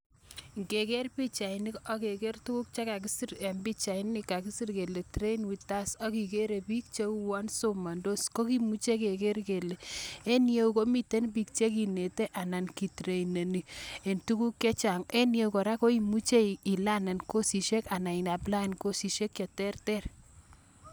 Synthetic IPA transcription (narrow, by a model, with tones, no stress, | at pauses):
ŋɡe˨ke˦rpi˦t͡ʃa˨ini˦kɔ˦ke˨ke˦rtu˦ku˦k̚t͡ʃa˦ka˨k̬i˦sie˨mbi˦t͡ʃa˨i˦nːɪ˨ka˨k̬i˦si˦rke˨le˨tɾe˦inwi˨ta˦sɔ˦ki˨ke˦ɾe˨pi˦k̚t͡ʃe˦u˦wa˦nso˦ma˨ndo˦sko˦ki˦mu˦t͡ʃe˦ke˨ke˦rke˨le˨e˦nje˦u˨ko˦mi˦te˦np̬i˦k̚t͡ʃe˦k̬i˨ne˨te˦ʔa˨na˨nki˨tɾe˨ine˨ni˨e˨ntu˦ku˦kːe˦t͡ʃa˨ŋe˦nje˨˦ukɔ˨ɾa˦ko˦i˨mu˦t͡ʃe˦i˨la˦ne˨nko˦si˨ʃe˦ka˨na˨i˨na˨pla˦˨nko˦si˨ʃe˦kje˨tɛ˦rtɛ˦r